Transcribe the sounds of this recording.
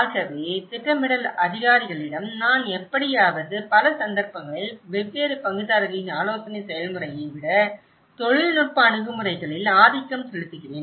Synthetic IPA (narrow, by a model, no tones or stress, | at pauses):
aːɣɐʋeːsɪrɐmɪɽɐlɐðɪɣaːɾɪɣɐɭɪɽɐmnaːnɛpːɐɽɪjaːʋɐðɯpɐlɐsɐnd̪ɐɾpɐŋɡɐɭɪlʋɛʋːeːɾɯpɐŋɡɯðaːɾɐɣɐɪnaːloːsɐnɐɪsɛjɐlmɯrɐjɐɪʋɪɽɐ | t̪ɔɻɪlnʊr̚pɐːɳɯɣɯmɯrɐɪɣɐɭɪlaːðɪkːɐmsɛɻɯt̪ːɯɣɪreːn